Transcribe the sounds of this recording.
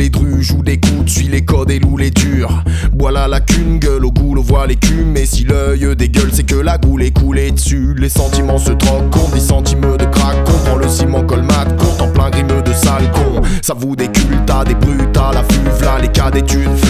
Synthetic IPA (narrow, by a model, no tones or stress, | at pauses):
led̪ʁyʒud̪ekud̪sɥilekɔd̪eluled̪yːʁbwalalakʲynɡʲœloɡulɔ̃vwalekʲymːesilœjəd̪eɡœlsɛkəlaɡulekʰuled̪əsylesɑ̃t̪imɑ̃sət̪χɔkkːɔ̃d̪isɑ̃t̪imød̪əkχakːɔ̃pχɑ̃ləsimɑ̃kɔlmat̪kuʁt̪ɑ̃plɛ̃ɡʁimød̪əsalkɔ̃savud̪ekʲylt̪ad̪ebʁyt̪alafyvlalekad̪et̪yd̪